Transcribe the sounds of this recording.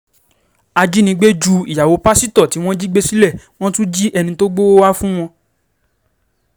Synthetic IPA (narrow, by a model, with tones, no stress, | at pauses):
a˧d͡ʒi˦nĩ˧˦ɡ͡be˦d͡ʒu˧i˨ja˨wo˨˦pa˦si˦˨tɔ˦˨ti˨˦w̃ɔ̃˦d͡ʒi˦ɡ͡be˦si˦lɛ˦˨w̃ɔ̃˦tũ˦d͡ʒi˦ʔɛ˧nĩ˧to˦ɡ͡bo˦o˦wa˦fũ˦w̃ɔ̃˧